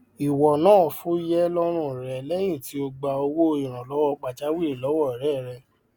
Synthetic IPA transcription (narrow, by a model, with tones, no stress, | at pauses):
i˨wɔ˨nãː˦˨fu˦jɛ˦lɔ˦ɾ̃ũ˦˨ɾɛ˨lɛ˦j̃ĩ˦˨ti˨˦o˧ɡ͡ba˧o˧wo˦o˧ĩ˨ɾ̃ã˨lɔ˨˦wɔ˦˧k͡pa˨t͡ʃa˦wi˦˨lɔ˨˦wɔ˦˨i˨ɾɛ˦˨ɾɛ˧